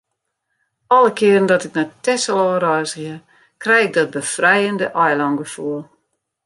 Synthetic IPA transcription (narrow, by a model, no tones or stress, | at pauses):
ɔlˠəkʰɪərən̩dɔtɪk̚nɛtɛsəlˠɔːəɾɔjsɣɪə | krɛjɪk̚dɔt̚bəfrɛjəndəʔɔjlɔŋɡəfuəlˠ